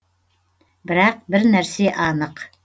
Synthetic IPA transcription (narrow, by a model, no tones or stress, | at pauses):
bɪɾæq̚bɪɾnæɾseʔɑnəq